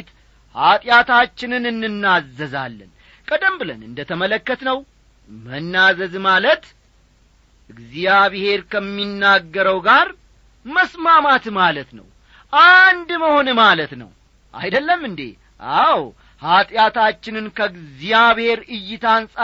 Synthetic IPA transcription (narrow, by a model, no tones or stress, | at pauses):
t̪ | hat̪ʼjat̪ʰat͡ʃːɪnɨnɨnːɨnːazːəza̰lːɨ̰n | kʼəd̪əmbɨlə̰nɨ̰nd̪ət̪ʰəmələkːət̪nəw | mənːazəzmalət̪ | ɨɡzijaβhe̞ɾkʰəmːinːaɡːəɾəwɡaɾ | məsmamat̪malət̪nə̰w | ʔand̪məho̞nmalət̪nə̰w | ʔa̰jd̪əlːəmːɨnd̪ḛ | ʔaw | hat̪ʼjat̪ʰat͡ʃːɪnɨnkʰəɡzijaβhe̞ɾɨjːɪt̪ʰansʼa